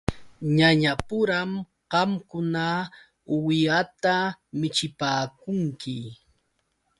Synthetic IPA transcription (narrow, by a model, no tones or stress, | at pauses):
ɲaɲapʊɾam | ɢɑmkʊna | wɪjat̪amɪt͡ʃɪpaːkʊŋkɪ